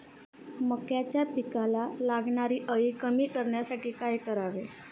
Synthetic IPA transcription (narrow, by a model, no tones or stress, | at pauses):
məkjat͡ɕjapikalalaɡɳaɾiːʔəiːkəmiːkəɾɳjasaʈʰiːkajkəɾaʋe